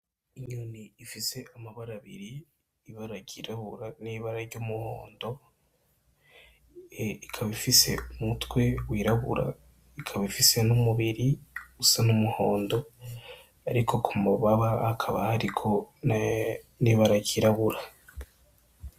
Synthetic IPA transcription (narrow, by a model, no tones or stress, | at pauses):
iɲuːniːfise̞amaβaɾaβḭɾiː | βaɾaɟiɾaβuɾaniβaɾaɾɟomuho̰ːndo̞ | ikʰaβifise̞̰umutwe̞wiːɾaβṵɾa̰ | ikʰaβifise̞nomuβiɾiɡusanomuho̞ːndo̞ | a̰ɾikʰo̞kʰumuβaβaakʰaβahaɾikʰo̞ | niβaɾaɟiɾaβuɾa